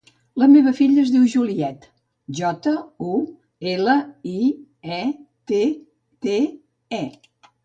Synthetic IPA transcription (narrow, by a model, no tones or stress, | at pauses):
ləmeβ̞əfiʎəːzðiwʒuliɛt̪ | ʒɔt̪əu | eləi | ɛt̪e | t̪e | ɛ